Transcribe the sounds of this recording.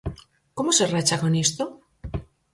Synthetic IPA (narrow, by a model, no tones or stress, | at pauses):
komo̞serat͡ʃako̞nest̪o